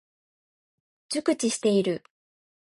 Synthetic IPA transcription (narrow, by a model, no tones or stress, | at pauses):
d͡ʑɨkɯ̟t͡ɕiɕi̥t̪e̞iɾɯ̟